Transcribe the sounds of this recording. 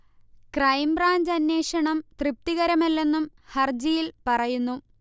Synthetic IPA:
krɐjmbraːɲd͡ʑɐnːe̞ːʂɐɳɐmt̪rɨp̚t̪iɣɐɾɐmelːe̞nːum | hɐrd͡ʑijilpɐrɐjunːu

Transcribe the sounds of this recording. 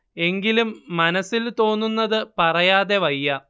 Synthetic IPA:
e̞ŋɡilumːɐnɐsilt̪o̞ːnːunːɐðɨpɐrɐjaːðe̞ʋɐjːɐ

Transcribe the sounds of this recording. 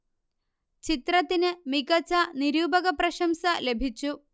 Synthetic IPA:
t͡ɕit̪ɾɐt̪inɨmikɐt͡ɕɐniɾuːbɐɡɐpɾɐʃɐmsɐlebʱit͡ɕːu

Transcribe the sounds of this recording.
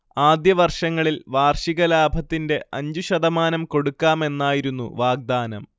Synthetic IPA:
aːd̪jɐʋɐrʂɐŋːɐɭilʋaːrʂiɣɐlaːbʱɐt̪ːinde̞ʔɐɲd͡ʑuɕɐðɐmaːnɐmko̞ɽukːaːme̞nːaːjiɾunːṵʋaːɡ̚d̪aːnɐm

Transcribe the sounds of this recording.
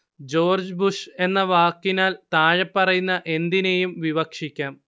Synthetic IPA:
d͡ʑo̞ːrd͡ʑbuʂe̞nːɐʋaːkːinaːlt̪aːɻɐpːɐrɐjunːɐʔe̞nd̪inejumʋiʋɐkʂikʲːaːm

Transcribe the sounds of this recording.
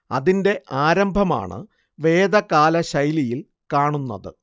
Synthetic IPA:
ɐ̰ðinde̞ʔaːɾɐmbʱɐma̰ːɳɨ̰ | ʋe̞ːd̪ɐkaːlɐɕɐjlijil | kaːɳunːɐ̰ðɨ̰

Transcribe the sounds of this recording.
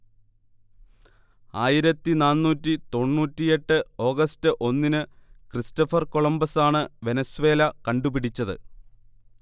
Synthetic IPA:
aːjiɾɐt̪ːinaːnːuːtːit̪o̞ɳːuːtːije̞ʈːɨo̞ːɡɐstɨʔo̞nːinɨkristɐfɐrko̞ɭɐmbɐsaːɳɨʋe̞nɐsuʋe̞ːlɐkɐɳɖupiɽit͡ɕːɐðɨ̰

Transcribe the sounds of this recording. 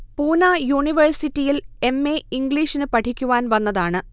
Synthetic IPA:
puːnaːjuːɳiʋɐrsitːijile̞mːe̞iŋɡɭiːʂinɨpɐʈʰikʲːuʋaːnʋɐnːɐðaːɳɨ

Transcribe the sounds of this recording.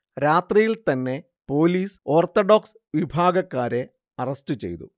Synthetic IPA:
ɾaːt̪rijilt̪ɐnːe̞ | po̞ːliːso̞ːrt̪oɖo̞ːks | ʋibʱaːɡɐkːaːɾe̞ | ɐrɐstɨt͡ɕe̞̰jt̪ṵ

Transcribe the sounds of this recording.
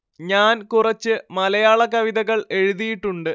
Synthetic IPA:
ɲaːnkurɐt͡ɕːɨmɐlɐjaːɭɐkɐʋiðɐɣɐɭe̞ɻuðijiʈːuɳɖɨ

